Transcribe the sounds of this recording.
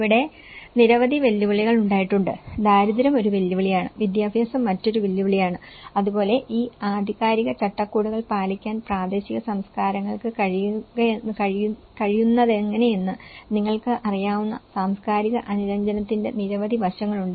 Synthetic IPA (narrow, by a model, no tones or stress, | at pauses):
iʋiɽe̞ | niɾɐʋɐd̪iʋelːuʋiɭiɣɐɭuɳɖaːjiʈːuɳɖɨd̪aːɾuðiɾɐmo̞ɾuʋelːuʋiɭijaːɳɨ̰ʋid̪jaːbʱjɐːsɐmːɐtːo̞ɾuʋelːuʋiɭijaːɳɨɐðubo̞ːle̞ʔiːaːd̪ʱiɣaːɾiɣɐt͡ɕɐʈːɐkːuːɽuɣɐɭpaːlikʲːaːnpraːd̪e̞ːɕiɣɐsɐmskaːɾɐŋːɐɭkɨkɐɐkɐ | kɐɻijunːɐðe̞ŋːɐne̞jenːɨniŋːɐɭkɨʔɐrijaːʋunːɐ̰saːmskaːɾiɣɐʔɐnuɾɐɲd͡ʑɐnɐt̪ːinde̞̰niɾɐʋɐd̪iʋɐɕɐŋːɐɭuɳɖɨ